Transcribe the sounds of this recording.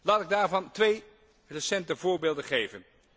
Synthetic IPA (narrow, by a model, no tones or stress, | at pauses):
laːtɪɡ̚daːɹvɑntʋej | resɛntəvʊːɹbeːlˠdəχejvən